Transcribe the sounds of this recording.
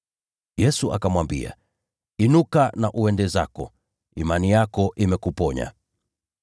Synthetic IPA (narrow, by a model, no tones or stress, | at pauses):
jɛsuʔakamwambḭa̰ | inukanaʔuɛndɛza̰kɔ̰ | imanijakɔʔimɛkupɔɲa̰